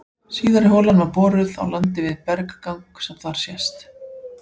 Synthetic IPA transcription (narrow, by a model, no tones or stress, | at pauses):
siːðaɾɪɦoːlanvaɾpɔːɾʏða̰wlant̪ɪvɪðpɛɾkḁkawŋksɛmθvaɾ̥sjɛst̪